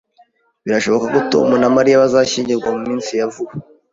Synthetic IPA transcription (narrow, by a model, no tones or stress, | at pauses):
βiɾaʃo̞βo̞kakuto̰munamaɾijaβazaʃiːɲɟiɾɡwamumiːnsijavuβa